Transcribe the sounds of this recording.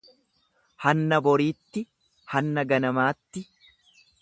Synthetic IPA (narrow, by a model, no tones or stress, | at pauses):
hɐnːɐbɔɾiːt̪ːɪ | hɐnːɐɡɐnɐmaːt̪ːɪ